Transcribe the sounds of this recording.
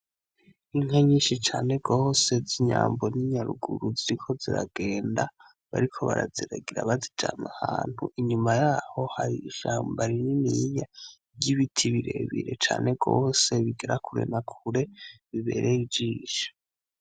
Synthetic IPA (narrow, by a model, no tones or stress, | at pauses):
iŋeɲiːʃit͡ʃaːne̞ɡose̞ziɲaːmbo̞niɲaɾuɡuɾuziɾikʰo̞ziɾaɡe̞ːnda | βaɾikʰo̞βaɾaziɾaɡiɾaβazid͡ʒamahaːn̥huʔiɲumajaːho̞haɾiːʃaːmbaɾinimiɲa | ɟiβitʰiβiɾe̞̰βiɾe̞t͡ʃa̰ːne̞ɡoːse̞βiɡeɾakʰuɾe̞̰nakʰuɾe̞βiβe̞̰ɾʔe̞id͡ʒiːʃo̥